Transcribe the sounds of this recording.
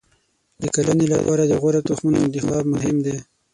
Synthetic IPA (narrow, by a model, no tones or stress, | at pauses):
d̪əkalanela̰pɑːɾad̪əɣaɾat̪uxmunaɪnt̪ɪxɑːbmʊɦɪmd̪e